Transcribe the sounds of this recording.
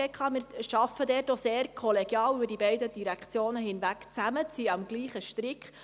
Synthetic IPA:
ɛkʰɑːmɪːɾʃɑfːədɛːtoseːrkʰɔleɡ̥jɑːlybəɾd̥ibɛɪdəd̥iɾækt͡sjoːnəɦɪnʋækt͡sæmət͡siɑmɡ̥liːχəʃtɾɪkχ

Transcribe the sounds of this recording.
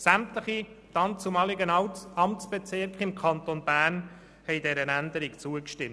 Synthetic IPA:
sæmt̪ləχi | t̪ɑnt͡sʊmɑlɪɡənɑmtt͡sb̥et͡sɪɾkχɪmkʰɑnt̪onbæːrn | hɛjdɛɾənænd̪əɾɪkt͡suəkʃtɪm

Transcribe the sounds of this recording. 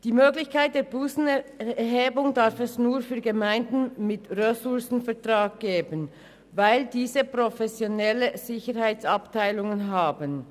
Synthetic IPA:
d̥iːmøːɡlɪçkʰaɪt̚d̥eːɐbuːsn̩ɛɦeːbʊŋdaʁfɛsnuːɐfyːɐɡəmaɪndn̩mɪtʁøsʊɐsn̩fɛɐtʁ̥aːk̚ɡ̥eːbən | vaɪldiːzəpʁofɛsjonɛləz̥ɪçəʁhaɪt͡saptʰaɪlʊŋənɦaːbən

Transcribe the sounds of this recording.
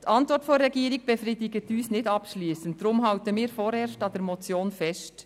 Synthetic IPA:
tɑntʋɔɾtfoɾːɛɡiːɾɪɡ̚b̥efriːdɪɡətyːsnɪtɑpʃliːsənt̚dɾʊmɦɑltəmiːɾfoːɾeːɾstɑdɛɾmɔt͡sjoːnfɛst

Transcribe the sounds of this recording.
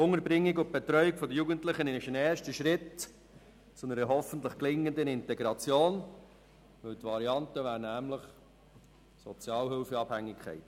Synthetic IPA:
ʊŋəɾbɾɪŋːɪɡʊt̚b̥ɛt̪ɾœʏɪkfɔd̪əjuːɡəntləχənɪʃənɛːɾʃtəʃɾɪt | t͡sʊnəɾəɦɔfən̩tləχklɪŋːənd̪ənɪntɛɡɾɑt͡sjoːn | ʋɵlt̪ʋɑɾiɑnt̪əʋæːɾnæmləχ | sɔt͡sjɑːlɦɪlfəɑb̥hæŋːɪkʰːɛ̰ɪt

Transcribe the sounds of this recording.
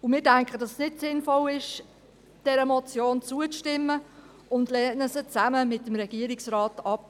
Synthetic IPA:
ʊmɪːdæŋkʰədɑssnɪtsɪnfɔlɪʃ | d̥ɛɾəmɔt͡sjoːnt͡suət͡sʃtɪmːə | ʊndlɛːnəsət͡sæməmɪtːəmɾɛɡ̥iəɾɪksraːtɑp̚

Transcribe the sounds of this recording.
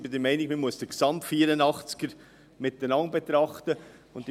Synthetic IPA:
bɪdəɾmɛɪnɪkməmuəsd̥əksɑmtfiːɾənɑχt͡skəɾ | mɪt̪ːənɑŋbet̪ɾɑχtə | ʊntd

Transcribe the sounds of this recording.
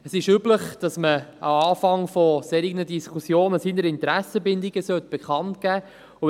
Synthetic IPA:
əsɪʃybləχd̥ɑsməa̰ɑːfɑŋfɔseːɾiɡənədiskʰusjoːnəsiːnəɾɪnt̪ɾæsəbɪnd̪iɡəsœt̪b̥ekχɑntkæː | ʊ

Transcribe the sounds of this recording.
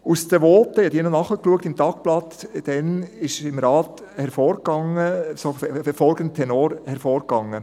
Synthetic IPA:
ustəʋoːtːəjɑd̪iːnɔnɑχəkluək̚tɪmtɑk̚plɑtd̥ɛnɪʃɪmɾɑːt | hɛɾfoːɾɡɑŋəsoffɛɾfɔlɡənt̪ʰɛnoːɾhɛɾfɔːɾɡɑŋːə

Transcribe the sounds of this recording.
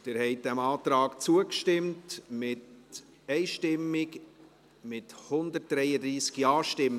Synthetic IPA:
d̥ɪːɾhɛɪt̚d̥ɛmɑːt̪ɾɑːkt͡suəkʃtɪmtmɪt | ɛɪʃtɪmːɪk | mɪthʊnd̪ət̚d̥ɾɛjəd̪ɾiːsɡ̥iɑːʃtɪm

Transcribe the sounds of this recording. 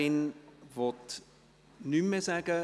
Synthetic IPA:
ɪnvɔt | nyməzæːɡə

